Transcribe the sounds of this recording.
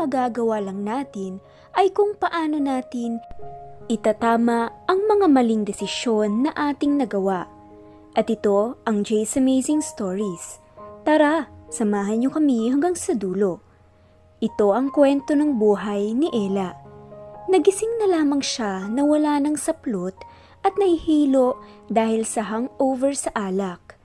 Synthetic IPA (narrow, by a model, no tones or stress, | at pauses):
ɐɡaɡɐwalɐŋnaːt̪ɪn | ʔɐjkʊŋpɐʔaːno̞naːt̪ɪnʔɪt̪ɐt̪aːmɐʔɐŋmɐŋamɐliŋd̪ɛsɪʃo̞nːɐʔaːt̪ɪŋnɐɡɐwaʔ | ʔɐt̪ɪt̪o̞ʔɐŋd͡ʒɛjsɐmejzɪŋst̪oɹis | t̪aɾasɐmaːɦɐnɲo̞kɐmihɐŋɡaŋsɐd̪uːlo̞ | ʔɪt̪o̞ʔɐŋkwɛnt̪o̞nɐŋbuːɦɐjnɪʔɛːlɐ | nɐɡɪsɪŋnɐlaːmɐŋʃanɐwɐlaːnɐŋsɐplot̪̚ | ʔɐt̪̚nɐhɪhiːlo̞ʔd̪aːhɪlsɐɦɐŋʔo̞wvɛɹsɐʔaːlɐk̚